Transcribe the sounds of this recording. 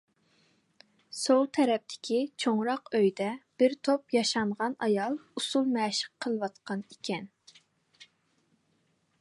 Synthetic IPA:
solˠt̪ʰɛɾɛp̚t̪ʰɪ̥kʲʰit͡ʃʰoŋɾɑqøjd̪ɛb̥ɪɾt̪ʰopjɑʃɑmʁɑnɑjɑlˠusulˠmɛːʃə̥qʰːəlˠwɑt̪qɑnikʲʰɛn

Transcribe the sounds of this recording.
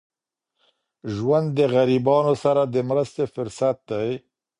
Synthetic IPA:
ʒwand̪ːəɣaɾibɑnosaɾad̪əmɾəst̪efʊɾsat̪̚d̪aj

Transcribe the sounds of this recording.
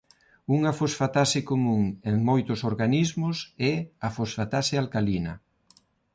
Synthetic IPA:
uŋafosfat̪asɪkomũŋeŋmojt̪ʊsoɾɣanizmʊsɛafosfat̪asɪalkalinɐ̰

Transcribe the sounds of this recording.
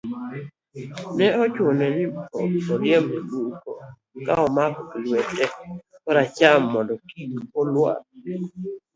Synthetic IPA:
nɛɔt͡ʃwonɛnɪpɔkɔɾɪɛmeluko | kaɔmakklwɛtɛɔɾat͡ʃamːɔndɔkikɔlwa̰

